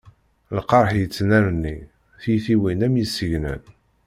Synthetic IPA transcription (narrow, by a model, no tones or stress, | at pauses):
lqɑɾˤħjət͡sːnæɾənːi | θjθiwinæmjisːəʝnə̰n